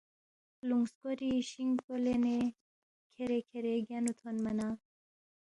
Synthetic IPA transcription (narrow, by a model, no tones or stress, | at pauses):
luŋɡskoɾiɕiŋpolene | kʰeɾekʰeɾeɡanut̪ʰonmɐna